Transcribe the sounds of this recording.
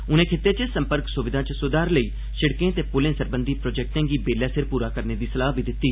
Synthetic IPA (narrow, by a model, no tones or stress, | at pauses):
ʊnẽːkʰɪt̪ːeːt͡ʃəsəmpəɾksʊʋɪd̪ʱãːt͡ʃsʊːd̪aːɾləiː | ʃɪɽkẽːt̪eːpʊlẽːsəɾbə̃nd̪iːpɾoːd͡ʒɛːk̚ʈ̪ẽːɡiːbeːljaːsɪɾpuːɾaːkəɾneːd̪iːsəlaːɦʋiːd̪ɪt̪ːiː